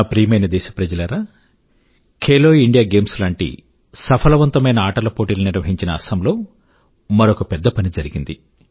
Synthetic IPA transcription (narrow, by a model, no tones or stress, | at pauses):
pɾiːmɐjnɐd̪ɛːʃɐ̥pɾɐd͡ʒɐlɐɾaː | kʰeːloːiɳɖijaːɡe̞ːmslaːɳʈḭ | sɐpʰɐlɐʋɐnt̪ɐmɐjnɐaːʈɐlɐpoːʈiːlɐniɾʋɐɦiɲt͡ʃinɐːsɐmlo̞ː | mɐɾokɐpɛd̪ːɐpɐnid͡ʒɐɾiɡind̪i